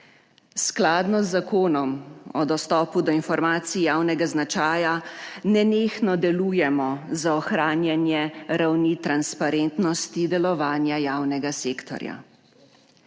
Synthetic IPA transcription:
sklaːd̪nɔzːakoːnɔmɔd̪ɔst̪ɔːpud̪ɔinfɔɾmaːt̪siijaːwnɛɡaznat͡ʃaːjanɛneːxnɔd̪ɛluːjɛmɔzaɔxɾaːnjanjɛɾawnit̪ɾanspaɾent̪nɔst̪id̪ɛlɔʋaːnjajaːwnɛɡaseːkt̪ɔ̰ɾja̰

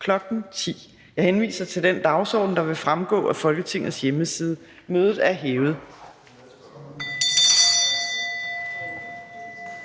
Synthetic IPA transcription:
kʰlɒ̽ɡ̥n̩t͡sʰḭː | jɑ̈ɪhenʋḭːsɐt͡sʰe̝ld̥end̥ɑ̈ʊsɒ̰ːd̥n̩d̥ɑ̈ʋe̝fʁamɡ̥ɔ̰̽ːæfɒ̽lɡ̥ət͡sʰe̝ŋ̰ð̩ˠsjeməsiːð̞ˠə | møːð̞ˠð̩ˠæɐɦeːʊð̩ˠ

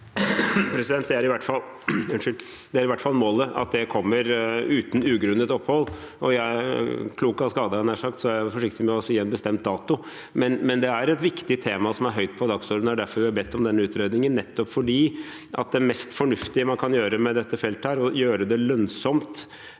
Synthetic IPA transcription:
pʰɾɛsɪd̪ɛnt̪̚d̪ɛæɾɪʋæʈːfɑl | ʉnʂɪl | d̪ɛæɾɪʋæʈːfɑlːmoːləɑ̰t̪̚d̪ɛkʰɔmːəɾʉːt̪nʉːɡɾʉnːət̪ɔphɔlː | ʔɔjæɪkʰluːkɑskɑːd̪əɛnæʂɑkt̪sɔæfɔʂɪkt̪ɪmɛɔɔsɔjiːɛnbəst̪ɛmt̪̚d̪ɑːt̪ʊ | mɛnmɛnd̪ɛæɾɛt̪ʋɪkt̪ɪt̪ʰeːmɑsɔmæɾɦœʏt̪̚pʰɔd̪ɑɡsɔɾd̪nɑɖæɾfɔɾʋɪhɑbɛt̪ːɔmd̪ɛnːəʉːt̪ɾeːd̪nɪŋənːɛt̪ːɔpfɔɖiː | ʔɑ̰t̪̚d̪ɛmɛst̪fɔɳʉft̪ɪəmɑnkʰɑnjøːɾəmɛd̪ɛt̪ːəfɛlt̪æːɾɔjøːɾəd̪ɛlœnsɔmt̪

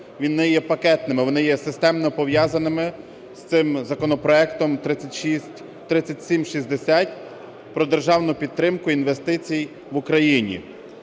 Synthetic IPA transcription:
ʋʲinɪjɛpɐkɛt̪nɪmɪʋɔnɪjɛsɪst̪ɛmnɔpɔʋjɑzɐnɪmɪ | st̪sɪmzɐkɔnɔpɾɔɛkt̪ɔmt̪ɾɪtʲʃisʲ | t̪ɾɪt͡sʲːɐtʲsʲimʃizʲd̪esʲatʲ | pɾɔd̪erʒɑwnʊpʲid̪̚t̪ːɾɪmkʊinʋest̪ɪt͡sʲij | ʋʊkɾɐjinʲḭ

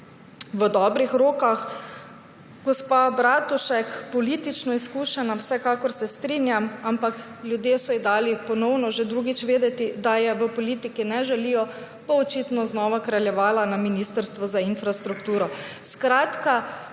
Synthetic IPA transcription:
ʋəd̪ɔːbɾixɾoːkax | ɡɔspabɾaːt̪uʃɛkpɔliːt̪it͡ʃnɔiskuːʃɛnawsɛkaːkɔɾsɛst̪ɾiːnjamampakljud̪jeːsɔid̪aːlipɔnɔwnɔʒed̪ɾuɡit͡ʃʋeːd̪ɛt̪id̪ajɛʋəpɔliːt̪ikinɛʒɛlijɔ | b̥oɔt͡ʃit̪nɔznɔːʋakɾaljɛʋaːlanaminiːst̪əɾst̪ʋɔzainfɾast̪ɾukt̪uːɾɔ | skɾaːt̪ka

